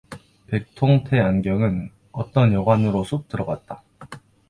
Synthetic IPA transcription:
pe̞k̚tʰoŋtʰe̞anɡjʌŋɯn | ʌt͈ʌnjʌɡwanɯɾosʰup̚t͈ɯɾʌɡat̚t͈a

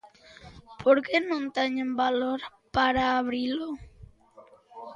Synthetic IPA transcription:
pʰoɾkenõnt̪eɲẽmbaloɾ | paɾaːβ̞ɾilo

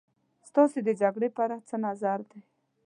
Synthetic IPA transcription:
st̪ɑsed̪əd͡ʒaɡɽepaɾat͡sənazaɾd̪aj

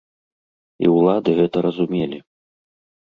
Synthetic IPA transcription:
ḭwlˠad̪ɨɣɛt̪ɐɾɐzumʲelʲi

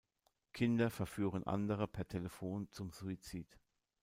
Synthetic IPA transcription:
kʰɪndɐfɛɐfyːʁ̞ənʔa̰ndəʁ̞əpʰɛɐtʰeləfoːnt͡sʊmzuit͡siːt

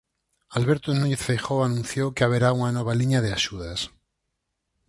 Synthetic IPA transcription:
alβeɾt̪onuɲeθfejxoanũnθjowkeaβ̞eɾauŋanoβ̞aliɲaðeaʃuðas

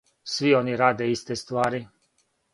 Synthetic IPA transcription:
sʋioniɾaːd̪eist̪ɛst̪ʋaːɾi

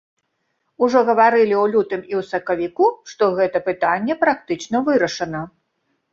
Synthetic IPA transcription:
uʐɔɣɐvaɾɨlʲiwlʲut̪ɨmiwsɐkɐvʲikuʂt̪ɔɣɛt̪ɐpɨt̪anʲːɛpɾak̚t̪ɨt͡ʂnɐvɨɾɐʂɐnɐ

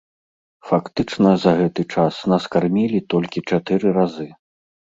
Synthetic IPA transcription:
fakt̪ɨt͡ʂnɐzɐɣɛt̪ɨt͡ʂasnɐskarmʲilʲit̪ɔlʲkʲit͡ʂat̪ɨɾɨɾazɨ

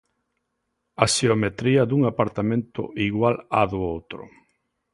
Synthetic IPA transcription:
aʃeomet̪ɾiad̪uŋapaɾt̪amẽnt̪ʊ̰iɣwalaðoowt̪ɾʊ̰

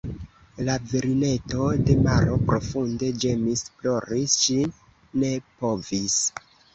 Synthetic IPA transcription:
laviɾine̞to̞de̞maɾo̞pɾo̞funde̞d͡ʒe̞misflo̞ɾisʃinː | e̞po̞vis

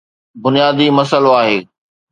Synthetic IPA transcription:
bʊnijaːd̪imɐsəloaːɦeː

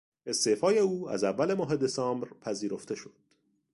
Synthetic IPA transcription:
e̞st̪eːfɒːje̞uːæ̰zævːæle̞mɒːɦe̞d̪e̞sɒːmbɾpʰæziːɾoft̪ʰe̞ʃo̞d̪̥

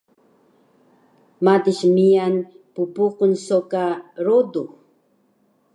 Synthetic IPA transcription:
madiʃmijan | pupuqʊnsokaɾodu

